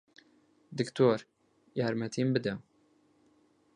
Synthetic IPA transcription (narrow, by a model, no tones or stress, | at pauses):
d̪əkt̪oɾ | jaɾmat̪ʰiːmbəd̪aw